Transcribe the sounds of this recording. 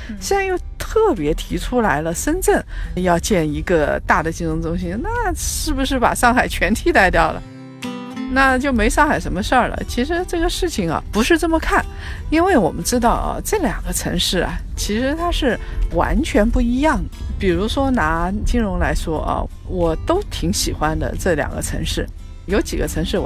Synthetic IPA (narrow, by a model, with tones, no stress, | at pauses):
ɕɑ˥˧ŋjo˥˧ʊt̪ʰɤ˥˩pjɛ˧˥t̪ʰi˧˥ʈ͡ʂʰu˥la˧˥ɪlə˧ʂə˥nt͡sə˥˩njɑ˥˧ʊt͡ɕjɛ˥˩ni˧˥ɡə˧t̪a˥˩d̪ə˩t͡ɕi˥˩ŋɻʊ˧˥ŋt͡sʊ˥ŋɕi˥na˥˩ʂɻ̩˥˩bu˩ʂɻ̩˥˩pa̰˨˩ʂɑ˥˧ŋxa˨˩ɪt͡ɕʰɥɛ˧˥nt̪ʰi˧˥t̪a˥˧ɪt̪jɑ˥˩ʊlə̰˩ | na˥˧t͡ɕjo˥˩ʊme˧˥ɪʂɑ˥˩ŋxa˨˩ɪʂə˧˥nmə˧ʂə˞˥˩lə̰˩t͡ɕʰi˧˥ʂɻ̩˧˥ʈ͡ʂɤ˥˩ɡə˩ʂɻ̩˥˩t͡ɕʰi˩ŋɐ̰˩pu˧˥ʂɻ̩˥˧t͡sə˥˩mə˩kʰa˥˩n | i˥nwe˥˩ɪwɔ˨˩mə˦nʈ͡ʂɻ̩˥t̪̬ɑ˥˩ʊɐ̰˨˩ʈ͡ʂɤ˥˩ljɑ˨˩ŋɡə˦ʈ͡ʂʰɤ̰˧˥ŋʂɻ̩˥˩ɐ̰˨˩t͡ɕʰi˧˥ʂɻ̩˧˥t̪ʰa˥ʂɻ̩˥˩wa̰˧˥nt͡ɕʰɥɛ˧˥npu˥˩i˧˥jɑ˥˩ŋəpi˨˩ɻu˧˥ʂwɔ˥na˧˥t͡ɕi˥ŋɻʊ˧˥ŋla˧˥ɪʂwɔ˥ʔɐ̰˧˩ | wɔ˨˩t̪o˥ʊt̪ʰi˧˥ŋɕi˨˩xwa˥nd̪ə̰˧ʈ͡ʂɤ˥˩ljɑ̰˨˩ŋɡə̰˦ʈ͡ʂʰɤ̰˧˥ŋʂɻ̩˥˩ | jo˧˥ʊt͡ɕi˨˩ɡə˦ʈ͡ʂʰɤ˧˥ŋʂɻ̩˥˩